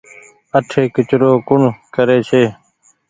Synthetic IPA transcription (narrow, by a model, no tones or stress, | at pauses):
əʈʰeːkɪt͡ʃɾoːkʊɳkəɾeːt͡ʃʰeː